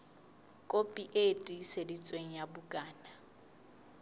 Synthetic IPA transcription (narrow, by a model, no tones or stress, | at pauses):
kʼopʼiʔetʼisedit͡sʼweŋ̩jabʊkʼaːna